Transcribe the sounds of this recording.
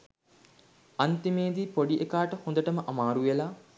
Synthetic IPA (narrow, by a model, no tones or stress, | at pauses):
ant̪imeːd̪ipoɖiʔekaːʈəhõnd̪əʈəməʔamaːɾuʋela